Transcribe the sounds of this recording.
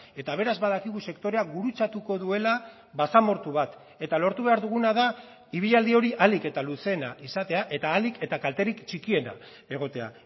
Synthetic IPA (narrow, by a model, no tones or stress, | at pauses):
e̞t̪aβe̞ɾazβaðakiɣuse̞kt̪o̞ɾe̞aɡuɾut͡sat̪uko̞ðue̞la | βasamo̞ɾt̪uβat̪ | e̞t̪alo̞ɾt̪uβe̞aɾðuɣ̞unaða | iβ̞iʎald̪io̞ɾiʔalike̞t̪aluse̞naʔisat̪e̞aʔe̞t̪aːlike̞t̪akalt̪e̞rikt͡ʃikie̞na̰ | e̞ɣ̞o̞t̪e̞a̰